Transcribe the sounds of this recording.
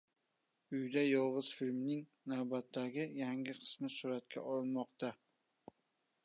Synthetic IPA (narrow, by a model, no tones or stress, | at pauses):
ʊjd̪ajɒʁɨz̥filʲmnɪŋ | nawbat̪ʰːaɡʲɪjaŋɡʲɪqʰɨ̥smɪsʊɾat̪kʲʰa̰ʔɒlɪnmɒqt̪a